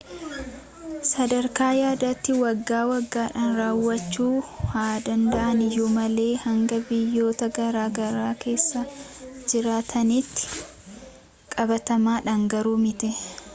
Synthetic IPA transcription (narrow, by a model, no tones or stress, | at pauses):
sɐd̪ɐɾkaːjaːd̪at̪ːɪwɐɡːaːwɐɡːaːᶑaːnɾaːwːɐt͡ʃːuːhaːd̪ɐnd̪ɐʔɐnɪjumɐle̞ːhɐŋɡɐbɪjːo̞ːt̪ɐɡɐɾaːɡɐɾaːke̞ːsːɐd͡ʒɪɾaːt̪ʰɐniːt̪ːɪ̥ | kʼɐbɐt̪ɐmaːᶑɐŋɡɐɾuːmɪt̪ɛ